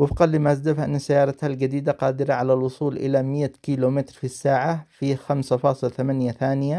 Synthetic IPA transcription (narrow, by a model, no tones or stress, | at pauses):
wɪfqɑlːɪmaʔzd̪afʔɪnːasajːɑːɾˤɑt̪halɡad̪iːd̪aqɑːd̪ɪɾaʕalalwʊsˤuːlʔɪ̰lamɪjːakiːlomɪt̪ɾfisːaːʕafixamsafɑːsˤɨlt̪amanjaθaːnɪja